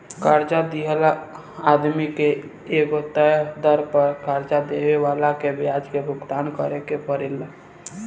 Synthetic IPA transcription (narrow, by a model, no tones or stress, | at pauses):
kəɾd͡ʒad̪iɦəl | ad̪mikeː | ɡot̪əd̪əɾpəɾkaɾd͡ʒad̪eʋeʋalakebjad͡ʒkebʱʊɡt̪ankəɾekepəɾel